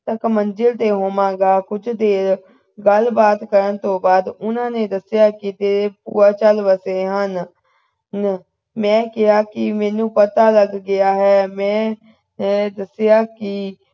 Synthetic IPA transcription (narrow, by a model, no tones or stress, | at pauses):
t̪əkmənd͡ʒəlt̪eːɦoːmãːɡaːkʊt͡ʃʰd̪eːɾ | ɡəlbaːt̪kəɾənt̪õːbaːd̪ʊnãːneːd̪əsɪjaːkɪt̪eːɾeːpṵːaːt͡ʃəlʋəseːɦən | n | mɛ̃ːkɪɦaːkɪmɛ̃ːnũːpət̪aːləɡːɪaːɦɛːmɛ̃ː | d̪əsɪjaːkɪ